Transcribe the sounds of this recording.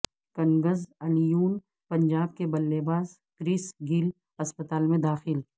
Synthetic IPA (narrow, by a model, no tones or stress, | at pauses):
kɐŋɡəzɐnjuːn | pɐ̃ɲd͡ʒaːb̚kebɐlːeːbaːz | kɾisɡɪl | ɐspət̪aːlmẽd̪aːxɪl